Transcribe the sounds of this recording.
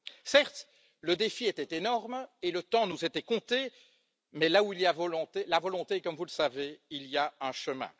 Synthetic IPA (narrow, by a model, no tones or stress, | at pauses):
sɛʁt̪ | ləd̪efiɛt̪ɛt̪enɔʁmelət̪ɑ̃nuzet̪ɛkɔ̃t̪e | mɛlauilijavɔlɔ̃t̪elavɔlɔ̃t̪ekɔmvuləsaveiliaœ̃ʃəmɛ̰̃